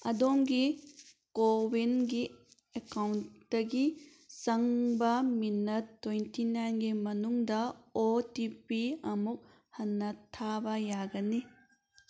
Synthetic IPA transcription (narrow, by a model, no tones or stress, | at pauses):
ɐ̰domɡi | kobinɡi | ekawntdɐɡi | sɐŋbɐminɐtːojntinajnɡimɐnuŋdɐotipiɐmuk̚ | hɐnːɐtʰabɐjaɡɐni